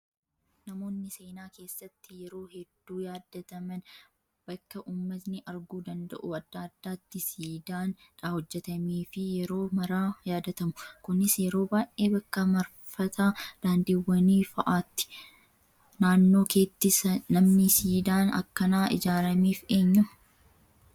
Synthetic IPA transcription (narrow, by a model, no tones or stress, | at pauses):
nɐmo̞ːnːɪse̞ːnaːke̞ːsːɐt̪ːɪjɛɾo̞ːhɛd̪ːuːjaːd̪ːɐt̪ɐmɐn | b̥ɐkːɐʔuːmːɐt̪nɪʔɐɾɡuːd̪ɐnd̪ɐ̰ʔʊɐd̪ːaːd̪ːaːt̪ːɪsiːd̪aːn | ᶑahɔd͡ʒːɛt̪ɐmiːfɪjɛɾo̞ːmɐɾaːjaːd̪ɐt̪ɐmʊkʊnɪsjɛɾo̞ːbaːjʔʔeːbɐkːɐmɐɾ | fɐt̪aːd̪̥aːnd̪ɪwːɐniːfɐʔaːt̪ːɪ̥ | naːnːo̞ːke̞ːt̪ːɪsɐnɐmnɪsiːd̪aːnɐ̰kːɐnaːʔɪ̰d͡ʒaːɾɐmiːfe̞ːɲːʊm